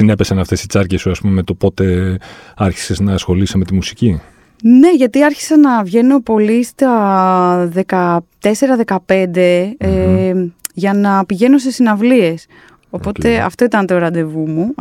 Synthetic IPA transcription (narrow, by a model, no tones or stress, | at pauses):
sine̞pe̞sɐnɐft̪e̞sit͡sɐɾcesuɐspumemet̪o̞po̞t̪e̞ | ɐɾçi̥se̞znɐsxo̞liseme̞t̪imusi̥ci | ne̞ʝɐt̪iɐɾçi̥sɐnɐvʝe̞no̞po̞list̪ɐ | ðe̞kɐt̪e̞se̞ɾɐðe̞kɐpe̞nd̪e̞ | ʝɐnɐpiʝe̞nos̬esinɐvlie̞s | o̞po̞t̪e̞ɐ̰ft̪o̞it̪ɐnt̪oɾɐd̪e̞vumu